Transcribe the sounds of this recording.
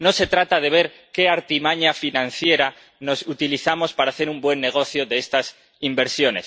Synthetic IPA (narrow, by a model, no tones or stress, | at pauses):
no̞se̞t̪ɾat̪að̞e̞β̞e̞ɾ | ke̞aɾt̪imaɲafinãn̟θje̞ɾa | no̞sut̪iliθamo̞spaɾaːθe̞ɾumbwe̞nːe̞ɣ̞o̞θjoðeest̪as | imbe̞ɾsjo̞ne̞̰s